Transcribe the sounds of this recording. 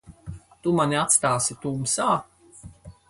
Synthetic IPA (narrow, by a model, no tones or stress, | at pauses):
t̪umanʲiat̪st̪aːsit̪uːmsaː